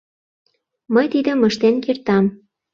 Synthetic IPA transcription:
məjt̪id̪ə̆məʃt̪enkirt̪ɑm

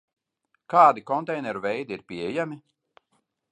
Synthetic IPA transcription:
kaːd̪ikɔnt̪ɛjnɛɾuvɛjd̪iiɾpʲiɛjami

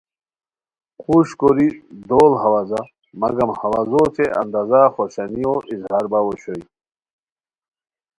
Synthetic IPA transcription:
quɕkoɾid̪oːlɦɐwazɐ | mɐɡɐmhɐwazot͡s̪ʰeʔɐ̰nd̪azaxoɕɐnijoʔizhaːɾbawoɕoj

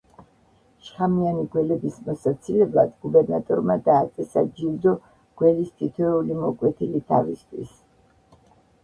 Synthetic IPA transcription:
ʃχamianiɡwɛlɛbismɔsat̪sʰilɛblˠad̪ɡubɛɾnat̪ʼɔɾmad̪aːt̪sʼɛsa̰d͡ʒild̪ɔ | ɡ̥wɛlist̪ʰit̪ʰwɛulimɔkʼwɛt̪ʰilit̪ʰavist̪ʰwḭs

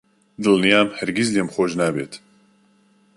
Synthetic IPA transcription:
d̪ɨlˠnijaːmhɛɾɡʲizlemxoːʒnaːbḛːt̪

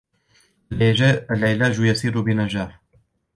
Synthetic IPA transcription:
alʕilaːd͡ʒujasiːɾubɪnad͡ʒaːħ

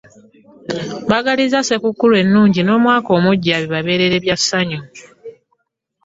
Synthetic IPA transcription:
baɡalizase̞kukːulwe̞nːuːɲɟino̞ːmwaːko̞ːmuɟːaβiβaβe̞ːɾe̞ɾe̞βjasːaɲo

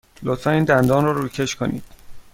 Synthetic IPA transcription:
lot̪fæniːnd̪ænd̪ɒːnrɒːɾuːcʰeʃkʰonḭːd̪̥

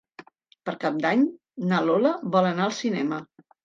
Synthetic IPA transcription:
pəɾkap̚d̪aɲ | naloləβɔlənaəlˠsinɛmə

